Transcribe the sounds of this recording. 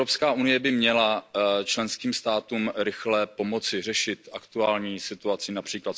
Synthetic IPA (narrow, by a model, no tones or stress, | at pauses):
opskaːʔunɪjɛbɪmɲɛlat͡ʃlɛnskiːmst̪aːt̪uːmɾɪxlɛpo̞mo̞t͡sɪrɛʃɪt̪ʔakt̪uaːlɲiːsɪt̪uat͡sɪnapr̥iːklat̪